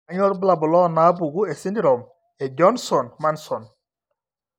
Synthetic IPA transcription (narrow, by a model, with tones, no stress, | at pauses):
aɲɔ˦ɾbla˨bɔ˨lɔ˦na˨˦bu˨ɡu˦ɛ˨si˦ndi˦ɾɔ˨m | ɛ˨d͡ʒɔ˦nsɔ˨nma˦nsɔ˨n